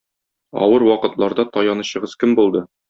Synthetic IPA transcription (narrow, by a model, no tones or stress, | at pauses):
ɒ̰wɤɾwɒqɤ̆t̪lˠɑɾd̪ɑt̪ɒjɑnɤ̆ɕɤ̆ʁɤzkɘmbulˠd̪ɤ